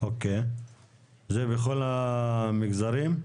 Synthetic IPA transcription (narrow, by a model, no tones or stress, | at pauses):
oke | zebeχolamiɡzaɾim